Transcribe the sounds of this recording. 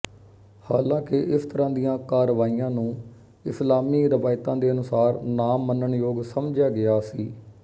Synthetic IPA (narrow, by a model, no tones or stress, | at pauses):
haːlãːkɪʔɪst̪əɾãːd̪ijãːkaːɾəʋaːijãːnũː | ɪslaːmiːɾəʋaːɪt̪ãːd̪eːənʊsaːɾnaːmːənəɳjoːɡsəmd͡ʒjaːɡɪaːsiː